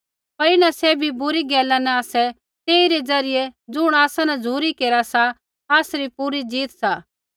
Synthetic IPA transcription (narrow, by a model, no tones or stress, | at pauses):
pɐɾɪnãsɛbʱibʊɾiɡɛːlãnɛaːsɛ | t̪eːiɾed͡zɐɾɪjed͡zʊɽ̃aːsãnɛd͡zʱuːɾikeːɾasa | aːsɾipuɾid͡ziːt̪saː